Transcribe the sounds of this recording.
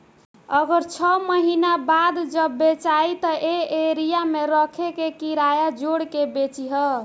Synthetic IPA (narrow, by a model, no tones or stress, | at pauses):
əɡəɾt͡ʃʰɔməɦinabad̪d͡ʒəbːet͡ʃajt̪əʔeeɾijameɾəkʰekekiɾajad͡ʒoɽkebet͡ʃiɦʌ